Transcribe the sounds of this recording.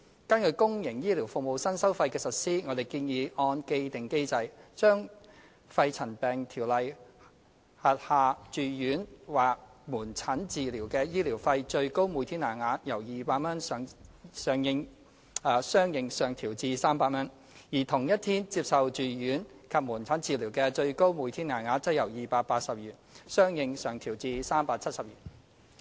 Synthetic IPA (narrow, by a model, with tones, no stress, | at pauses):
kɐ˥nkʰɵ˨˧kʊ˥ŋjɪ˨˩ŋjiː˥liː˨˩wfʊ˨k̚mo˨˧wsɐ˥nsɐ˥wfɐ˧jkɛː˧sɐ˨t̚siː˥ŋɔː˨˧d̪e˨˩jkiː˧njiː˨˧ʔɔː˧nke˧jt̪ɪ˨ŋke˥jt͡sɐ˧jt͡ʃœː˥ŋ | fɐ˧jt͡sʰɐ˨˩npɛː˨˩ŋt̪ʰiː˨˩wlɐ˨j | hɐ˨t̚haː˨˧t͡ʃyː˨jyː˨˥nwaː˨k̚muː˨˩nt͡sʰɐ˨˥nt͡siː˨liː˨˩wkɛː˧jiː˥liː˨˩wfɐ˧jt͡ʃɵ˧ɥko˥wmu˨˧t̪ʰiː˥nːaː˨˩nŋaː˨˧njɐ˨˩wjiː˨paː˧k̚mɐ˥nsːŋsœː˨ŋjɪ˧ŋ | ɐː˨˧sœː˥ŋjɪ˨˧ŋsœː˨ŋt̪ʰiː˨˩wt͡siː˧saː˥mpaː˧t̚mɐ˥n | jiː˨˩t̪ʰʊ˨˩ŋjɐ˥t̪̚ʰiː˥nt͡siː˧p̚sɐ˨wt͡ʃyː˨˩jyː˨˥nkʰɐ˨p̚muː˨˩nt͡sʰɐ˨˥nt͡siː˨˧liː˨˩wkɛː˧t͡ʃɵ˧ɥko˥wmuː˨˧jt̪ʰiː˥nŋaː˨˩nŋaː˧˥t͡sɐ˥jɐ˨˩wjiː˨paː˧t̚paː˧t̚sɐ˨p̚jyː˨˩n̚sœː˥ŋjɪ˨˧ŋsœː˨ŋt̪ʰiː˨˩wt͡siː˧saː˥mpaː˧t̚t͡sʰɐ˥t̚sɐ˨p̚jyː˨˩